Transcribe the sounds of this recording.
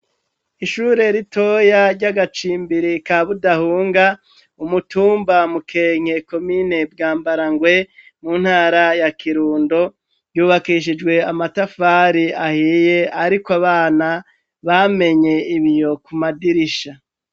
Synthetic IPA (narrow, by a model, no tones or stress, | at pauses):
iʃuːɾe̞ɾito̞jaɾɟaɡat͡ʃiːmbiɾikaβudahuːŋɡa | umutuːmbamukʰe̞ːŋ̥he̞ko̞mine̞b̚ɡaːmbaɾaŋɡwe̞ | muːn̥haːɾajakʰiɾuːndo̞ | juːβakiʃ̬id͡ʒɡwe̞amatafaɾiahiːje̞aɾikwaβaːna | βame̞ɲe̞iβijo̞kumadiɾiʃa